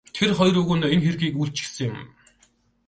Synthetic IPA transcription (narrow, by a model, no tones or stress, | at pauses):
t̪ʰerχɔjrɵɣŭnenxerɣiːkuɬt͡ɕɡesɘ̆ŋjʊm